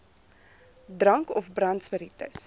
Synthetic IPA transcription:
drɐŋkɔfbrɐntspəɾitə̰s

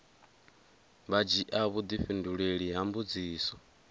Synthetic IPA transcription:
βad͡ʒiʔaβud̪iɸinduɺeɺiɦambud͡ziːsɔ

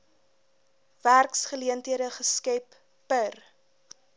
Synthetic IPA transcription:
værksχəliəntɦiəɾəχəskɛpː | ər

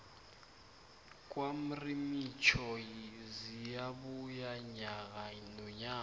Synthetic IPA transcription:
kʼwam̩rimit͡ʃʰɔjizijaβujaɲaɣanɔɲaː

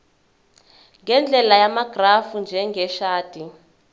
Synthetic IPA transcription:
ŋɡɛnd͡ɮʱɛlajamaɡ̥rafund͡ʒʱɛŋɡɛʃaːd̥ʱi

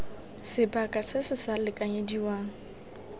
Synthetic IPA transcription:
sɪbakʼasɪsɪsalɪkʼaɲediwaːŋ̩

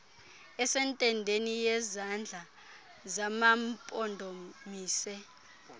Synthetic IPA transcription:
ɛsɛntʼɛndʱenijɛzand͡ɮʱa | zamampʼɔndʱomiːsɛ

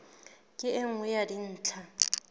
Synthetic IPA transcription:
kʼɪɪŋ̩wɛjadin̩ːt͡ɬʰa

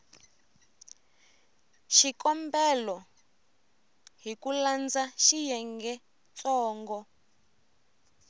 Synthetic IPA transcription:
ʃikɔmbɛlɔ | ɦikuland͡zaʃijɛŋɡɛ | t͡sɔːŋɡɔ

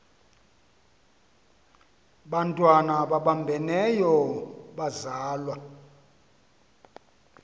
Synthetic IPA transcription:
ɓantʼwanaɓaɓambʱɛnɛjɔɓazaːlwa

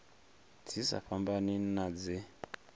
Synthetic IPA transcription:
d͡zʰisa̰fambaninad͡ze

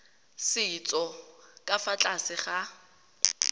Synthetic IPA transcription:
sɪit͡sʼɔkʼafat͡ɬʼasɪχa

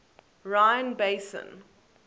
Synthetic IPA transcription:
ɹãɪə̃nbeɪsə̰̃n

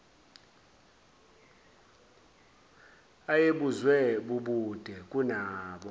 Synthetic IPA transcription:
ajeɓuzwɛɓuɓud̥ʱɛkʼunaːɓɔ

